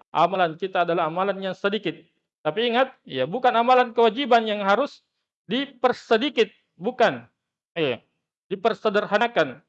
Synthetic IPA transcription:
ʔa̰malankit̪aːdalaɦamalanjaŋsədikɪt̪̚ː | apiːŋat̪̚jabukanamalankəwad͡ʒibanjaŋɦaɾʊs | dipərsədikɪt̪̚ | bukan | ja | dipərsədərhanakan

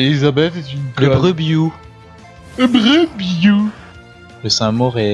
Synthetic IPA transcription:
elizabɛt̪et̪ynkləbʁøbiju | ləbʁøbiju | ləsɛ̃mɔʁɛ

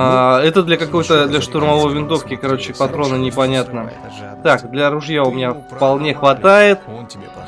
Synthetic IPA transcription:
aɛt̪əd̪lʲɐkɐko̞jt̪əd̪lʲɐʂt̪ʊrmɐvo̞jvʲɪnt̪o̞fkʲɪkɐɾo̞t͡ɕɪpɐt̪ɾo̞nənʲɪpɐnʲat̪nə | t̪akd̪lʲɐɾʊʐjaʊmʲɪnʲafpɐlˠnʲe̞xvɐt̪ajɪt̪

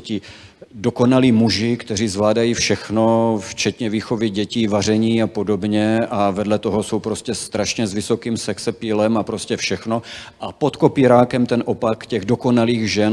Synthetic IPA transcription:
ci | doko̞naliːmuʒɪkt̪ɛr̝iːzvlaːdajiːfʃɛxno̞ft͡ʃɛt̪ɲɛviːxo̞vɪɟɛciːvar̝ɛɲiːapo̞do̞bɲɛavɛdlɛt̪o̞ɦo̞so̞wpɾo̞scɛst̪ɾaʃɲɛzvɪso̞kiːmsɛksɛpilɛmapɾoscɛfʃɛxno̞ʔapot̪kopiːɾaːkɛmt̪ɛnʔo̞pakcɛɣdoko̞naliːɣʒɛn

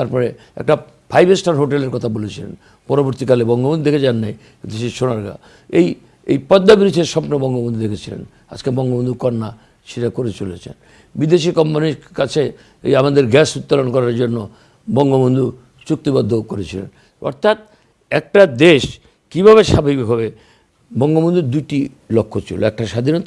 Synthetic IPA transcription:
t̪aɾpɔɾe | ɛ̰k̚ʈa | pʰajbesʈaɾɦoʈeleɾkɔt̪ʰabolet͡ɕʰilḛn | pɔɾoboɾt̪ikalebɔŋɡobond̪ud̪ekʰet͡ɕanːaj | kint̪uʃiʃonaɾɡa̰ | ej | ejpɔd̪ːabiɾud̪ʰʱeʃɔpnobɔŋɡobond̪ud̪ekʰet͡ɕʰilḛn | a̰d͡ʑkebɔŋɡobond̪ukɔnːa | ʃiʈakoɾet͡ɕolet͡ɕʰḛn | bid̪eʃikɔmpaniɾkat͡ɕʰe | ḛjamad̪eɾɡɛsut̪ːalonkɔɾaɾd͡ʑonːo | bɔŋɡobond̪u | t͡ɕuk̚t̪ibad̪ʱːokoɾet͡ɕʰilḛn | ɔ̰ɾt̪ʰat̪̚ | ɛk̚ʈad̪eʃ | kibʱaβeʃabʱibiɦɔβe | bɔŋɡobond̪uɾd̪ujʈi | lokʰːot͡ɕʰḭlo̰ɛk̚ʈaʃad̪ʱinot̪a

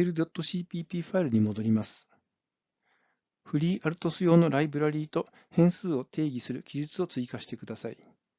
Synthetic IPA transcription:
ɾɯ̟d̪o̞t̪ːo̞ɕiːpʲiːpʲiːɸaiɾɯ̟ɲ̟imo̞d̪o̞ɾʲimasɨ̥ | ɸɯ̟ɾʲiːʔaɾɯ̟t̪o̞sɨjo̞ːno̞ɾaibɯ̟ɾaɾʲiːt̪o̞ | hẽ̞ɰ̃sɨːo̞t̪ʰe̞ːɡʲisɨɾɯ̟kʲiʑit͡sɨo̞t͡sɨikaɕi̥t̪e̞kɯ̟d̪asai

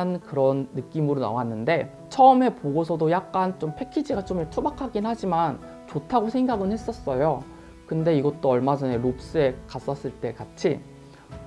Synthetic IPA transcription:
nkɯɾʌnːɯk͈imɯɾona̰wanːɯnde̞ | t͡ɕʰʌɯme̞poɡosʰʌdojak̚k͈ant͡ɕompʰe̞kʰid͡ʑiɡat͡ɕ͈omtʰubakʰaɡinhad͡ʑiman | t͡ɕotʰaɡosʰe̞ŋɡaɡɯnhe̞s͈ʌs͈ʌjo | kɯnde̞iɡʌt͈oʌɭmad͡ʑʌne̞ɾop̚s͈ɯe̞kas͈ʌs͈ɯɭt͈e̞kat͡ɕʰi

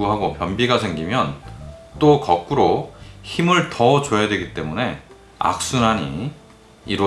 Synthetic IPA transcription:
uɦaɡopjʌnbiɡasʰeŋɡimjʌnt͈okʌk̚k͈uɾoçimɯɭtʌt͡ɕojadwe̞ɡit͈e̞mune̞ | a̰k̚s͈unaɲḭː | ɾ

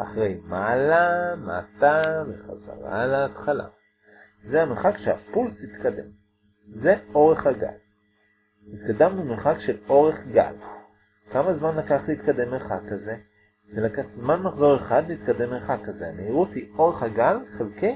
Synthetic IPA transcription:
ʔaχʁejmalama̰taveχa̰za̰ʁa̰leːtχala̰ | zeameχakʃea̰pulsit̪kade̞̰m | ze̞o̞ʁe̞χhaɡa̰l | nit̪kadamlumeχakʃe̞lo̞ʁe̞χɡa̰l | kamazmanlakaχleit̪kade̞mːeχakːaze̞ | zelakaχzmanmaχzo̞ʁe̞χad̪leit̪kade̞mːeχakːazeameiʁuthio̞ʁe̞χhaɡalχelke

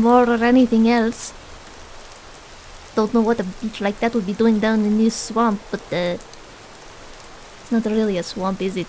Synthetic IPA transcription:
mɔɹəɹɛniθɪ̃ŋɛlˠs | d̥õʊ̃ntnoʊwʌt̪ɨbit͡ʃlaɪk̚ðɨt̚wəd̚biduɪ̃ŋdãnɨ̃nɪsswɑ̃mp̚b̥ʌt̪̚ðɨ | ɪtsnətəɹilˠiɨswɑ̃mpɪzɨt̚

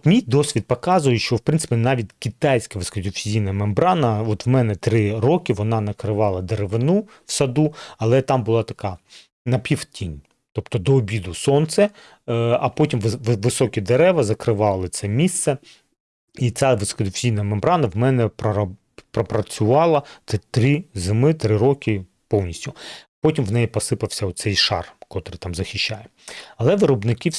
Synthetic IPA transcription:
t̪mʲijd̪ɔsʲʋʲid̪̚pɔkɑzʊjɪʃt͡ʃɔwpɾɪnsɪ̥pʲinɑʋʲitʲkʲit̪ɑjsʲkɐʋɪskɐd̪ʲʊfʲizʲijnɐmembɾɑnɐɔt̪wmɛnɛt̪ɾɪɾɔkʲɪʋɔnɑnɐkɾɪʋɑlˠɐd̪eɾeʋɪnu | wsɐd̪uɐlˠɛt̪ɑmbʊlˠɑt̪ɐkɑ | nɐpʲiwtʲinʲ | t̪ɔpt̪ɔd̪ɔːbʲid̪ʊsɔnt̪sɛ | ɐpɔtʲimʋʋʋɪsɔkʲid̪eɾɛʋɐzɐkɾɪʋɑlˠɪt̪sɛmʲist̪sɛ | it̪sʲaʋɪskɔd̪ʊsʲijnɐmembɾɑnɐʋmɛnɛpɾɐ | pɾɔpɾɐt͡sʲʊʋɑlˠɐt̪ɛt̪ɾɪzɪmɪt̪ɾɪɾɔkʲɪ | pɔwnʲisʲtʲʊpɔtʲimʋnɛjipɔsɪpɐwsʲɐʊsɛjʃɑ̰rkɔt̪ɾɪt̪ɑmzɐxʲɪʃːajɛɐlˠɛʋɪɾɔbnɪki

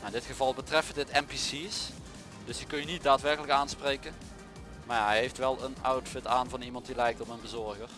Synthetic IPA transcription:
ɪndɪtxəvɑlˠbətrɛfəndɪtɛmpisis | d̥ɵsəkɵnjənit̚daːtʋɛrkələkaːnsprejkən | maːɦɛjɦejftʋɛlˠənɔwtfɪtaːnvɑnimɑntdilɛjk̚tɔmənbəzɔɹɣər

